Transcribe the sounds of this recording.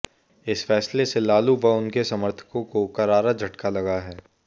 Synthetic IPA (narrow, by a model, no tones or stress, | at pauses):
ɪsfɛːsleselaːlubɐʊnkesɐməɾt̪ʰə̥kõkokɐɾaːɾad͡ʒʱɐʈkalɐɡaɦɛː